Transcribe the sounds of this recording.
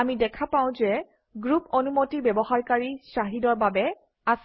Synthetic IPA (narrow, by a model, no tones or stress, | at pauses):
amidɛkʰapãʊ̃zɛ | ɡɹupɔnumotibɛbɔhaɹkaɹisaɦidɔɹbabɛ | as